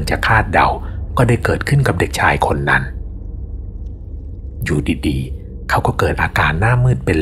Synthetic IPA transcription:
ŋt͡ɕa˨˩kʰaː˥˩t̪̚da̰˨˧wkɔː˥˩daː˥˩jkɤː˨˩t̪̚kʰɯ˥˩nka˨˩p̚de˨˩k̚t͡ɕʰaː˧jkʰo˧nːa̰˦˥n | juː˨˩diː˨˧diː˧ | kʰa˦˥˩wkɔː˥˩kɤː˨˩t̪̚ʔaː˧kaː˧nːaː˥˩mːɯː˥˩t̪̚pe˧n

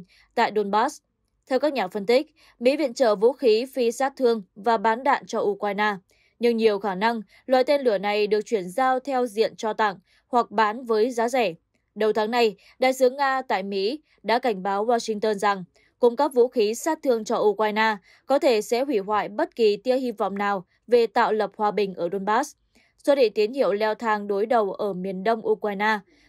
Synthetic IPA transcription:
t̪a̰ː˧˨jɗo˧nɓaː˦˥s | t̪ʰɛ˧wkaː˦˥k̚ɲaː˨˩fə˧nt̪ï˦˥k̟̚ | mḭ˧˥vḭ˧˨ənt͡ɕəː˧˩vṵ˧˥xi˨˦fi˧saː˦˥t̚t̪ʰɨ˧əŋvaː˨˩ɓaː˨˦nɗa̰ː˧˨nt͡ɕɔ˧ʔu˧kwaː˧jnaː˧ | ɲɨ˧ŋɲi˨˩əwxaː˧˩na˧ŋ | lwa̰ː˧˨jt̪e˧nlɨ˧˩əna˨˩jɗɨ˨˩ək̚t͡ɕwi˧˩ənzaː˧wt̪ʰɛ˧wzḭ˧˨ənt͡ɕɔ˧t̪a̰˧˩ŋ | hwa˨˩k̚ɓaː˨˦nvəː˨˦jzaː˨˦zɛ˧˩ | ɗə˨˩wt̪ʰaː˨˦ŋna˧j | ɗa̰ː˧˨jsɨ˨˦əŋːaː˧t̪a̰ː˧˨jmḭ˧˥ | ɗa̰ː˧˥ka˧˩jŋ̟ɓaː˨˦wwaː˧sï˧ŋ̟t̪əː˧nza˨˩ŋ | kʊ˧˩ŋ͡mka˦˥k̚vṵ˧˥xi˨˦saː˦˥t̚t̪ʰɨ˧əŋt͡ɕɔ˧ʔu˧kwaː˧jnaː˧ | kɔ˨˦t̪ʰe˧˩sɛ̰˧˥ɦwi˧˩ɦwa̰ː˧˨jɓə˦˥t̚ki˨˩t̪i˧əhi˧vɔ̰˧˨wŋ͡mnaː˨˩w | ve˨˩t̪a̰ː˧˨wlə˨˩p̚hwaː˨˩ɓï˨˩ŋ̟ʔəː˧˩ɗo˧nɓaː˦˥s | swə˦˥t̚ɗḭ˧˨t̪i˨˦ənhḭ˧˨əwlɛ˧wt̪ʰaː˧˩ŋɗo˨˦jɗə˨˩wʔəː˧˩mi˨˩ənɗə˧wŋ͡mʔu˧kwaː˧jnaː˧

